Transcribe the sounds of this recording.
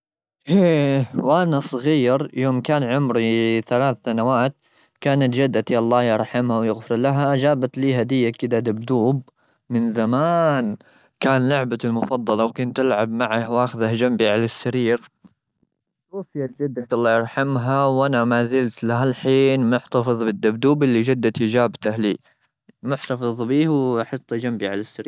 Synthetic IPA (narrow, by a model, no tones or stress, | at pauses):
ʔeːwʔanasˤɣiːɾjoːmkaːnʕʊmɾiθalaːθːanawaːt̪̚ | kaːnat̪d͡ʒad̪ːat̪jaʔɑlˤːɑːjɑɾˤħamhawjɪɣfɪɾlaɦad͡ʒaːbat̪liːhad̪ɪjːakɪd̪ad̪abd̪uːb̚ | mɪnzamaːn | kaːnlʊʕbalmʊfɑd̪ˤːɑlɑwkʊnt̪ːɪlʕabmaʕahwʔaːxɪðahd͡ʒambiʕalasːaɾiːɾ | ɣʊfjat̪d͡ʒad̪ːat̪ʔɑlˤːɑːjɑɾˤħamɦawʔanamaːzɪlt̪laɦalħiːnmʊħt̪ɑfɨðˤbɪd̪ːab̚d̪uːbɪlːid͡ʒad̪ːat̪ɪd͡ʒaːbt̪ahliː | mʊħt̪ɑfɨðˤbiːhwħɑt̪ˤːd͡ʒambiʕalasːaɾiːɾ